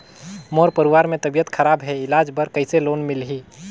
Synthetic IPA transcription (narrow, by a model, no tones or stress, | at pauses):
moɾpəɾiʋaːɾmẽt̪əbijət̪kʰəɾaːbɦɛɪlaːd͡ʒbəɾkəɪseloːnmɪlɦiː